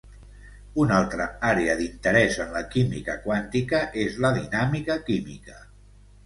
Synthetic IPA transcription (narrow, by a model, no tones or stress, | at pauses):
unalˠt̪ɾəaɾeəðint̪əɾɛzənləkimḭkəkwant̪ikəʔezləðinamikəkimḭkə